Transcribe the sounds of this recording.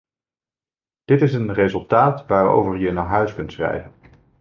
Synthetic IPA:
d̥ɪtɪsənrezɵlˠtaːtʋaːro̰wvəɹjənaːɦœɥskɵntsrɛ̰jvən

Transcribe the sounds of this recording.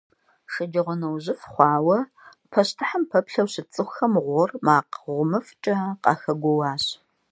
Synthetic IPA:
ʂɐd͡ʒɐʁʷɔnɐwʑɪfχʷɑːwɐ | pʰɐɕtʰɨħampʰɐpɬɐwɕɪt͡sʼɨxxɐmʁʷɔrmaːqʁʷʊmɐft͡ʃʼɐqɑ̰ːxɐɡʷɔwɑːɕ

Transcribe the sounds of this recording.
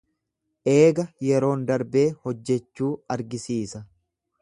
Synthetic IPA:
ʔe̞ːɡɐjɛɾo̞ːnd̪ɐɾbe̞ːhɔd͡ʒːɛt͡ʃːuːɐɾɡɪsiːsɐ

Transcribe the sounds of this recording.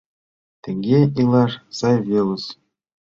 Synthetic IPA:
t̪ʲɘ̆ŋʲɡʲeilˠɑʂsɑjvʲelˠɤ̆s

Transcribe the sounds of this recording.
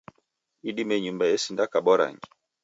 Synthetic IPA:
iɗimɛɲumbajɛsindakaɓɔɾa̰ŋɡi

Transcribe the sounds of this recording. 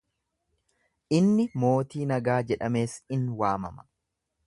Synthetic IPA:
ʔɪnːɪmo̞ːt̪iːnɐɡaːd͡ʒɛᶑɐme̞ːsɪnwaːmɐ̰mɐ̥

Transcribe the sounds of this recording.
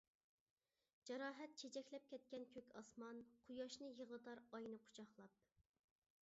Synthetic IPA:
d͡ʒɑɾɑːɦɛt̪̚t͡ʃʰet͡ʃʰɛkʲlɛp̚kʲɛt̪̚kʲɛnkʲʰøkʲɑsmɑnqʰujɑʃnɨjəʁlˠɨt̪ɑɾɑjnɨqʰʊ̥t͡ʃʰɑχlˠɑp̚

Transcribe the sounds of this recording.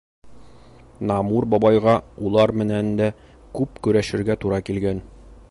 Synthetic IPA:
nɑmuɾbɒbɑjʁɑulˠɑɾmɘ̆nænd̪æ | kʉpkʉɾæʃɘ̆ɾɡæt̪uɾɑkilɡæn

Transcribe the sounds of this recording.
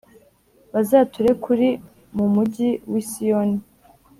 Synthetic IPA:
βazaːtuɾe̞kuɾi | mumuɟiwisijoni

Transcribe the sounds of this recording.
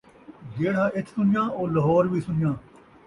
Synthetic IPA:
ɡeːɽ̤aːʔɪt͡ʃ̪ʰsʊnjãːʔoːləɦɔːɾʋiːsʊnɪjãː

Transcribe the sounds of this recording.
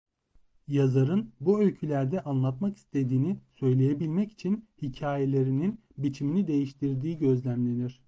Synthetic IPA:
jazaɾɯnbuølʲcʰylʲæɾd̪ɛʔanlˠat̪maki̥st̪ʰe̞d̪iːnisø̞jlʲe̞jebilʲmɛci̥t͡ʃʰinhicʰaːje̞lʲe̞ɾinin | bit͡ʃʰiminid̪e̞jiʃt̪ʰiɾd̪iːɟø̞zlʲæmlʲe̞niɾ̥

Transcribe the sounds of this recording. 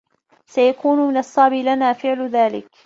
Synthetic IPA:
sajakuːnʊmɪnɑsˤːɑːbilanaːfɪʕlʊðaːlɪ̰k

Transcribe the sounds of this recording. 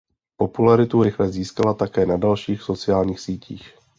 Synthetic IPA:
po̞pulaɾɪt̪uɾɪxlɛziːskalat̪akɛːnadalʃiːxso̞t͡sɪaːlɲiːxsiːcʰḭːx

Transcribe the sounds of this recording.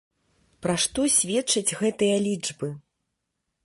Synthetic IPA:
pɾaʂt̪ɔsʲvʲɛtt͡ʂːɐd͡zʲɣɛt̪ɨjɐlʲid͡ʐbɨ

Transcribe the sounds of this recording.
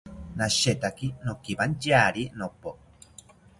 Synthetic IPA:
naʃet̪akinokiband͡ʒaɾinopːo

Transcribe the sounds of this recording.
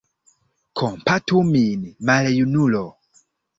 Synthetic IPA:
kʰɔmpatuminimalɛjunulɔ

